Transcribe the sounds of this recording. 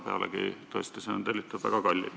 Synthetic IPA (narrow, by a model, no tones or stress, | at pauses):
pe̞ɑ̰lḛkḭt̪ost̪eseont̪elʲːit̪ːˑubvæ̰ɡ̥ɑkɑlʲːḭ